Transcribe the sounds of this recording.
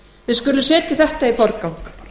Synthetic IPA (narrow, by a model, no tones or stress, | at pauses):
vɪðskʏlːʏsɛːt̪ɪθɛht̪aipɔɾt̪̚kawŋk